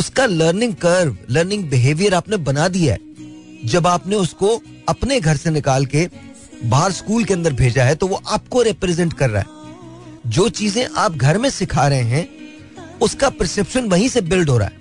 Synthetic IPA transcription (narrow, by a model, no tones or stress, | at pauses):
ʊskaləːɾnɪ̃ŋɡ̚kɐɾʋləːɾnɪ̃ŋɡ̚bɪɦeːʋijəɾaːpnebɐnad̪ijaɦɛ̰ː | d͡ʒɐbaːpneʊsko | ɐpneɡʱɐɾsenɪkaːlke | baːɾskuːlkeɐ̃nd̪əɾbʱeːd͡ʒaɦɛt̪oʋoʔaːp̚koɾɛpɾɛzɛ̃ɳʈkɐɾːa̰ːɦɛ̰ː | d͡ʒoːt͡ʃiːzẽʔaːp̚ɡʱɐɾmẽsɪkʰaːɾɐɦẽɦɛ̃ | ʊskapəɾsɛpʃənʋɐɦĩsebɪlɖɦoːɾa̰ɦɛ̰ː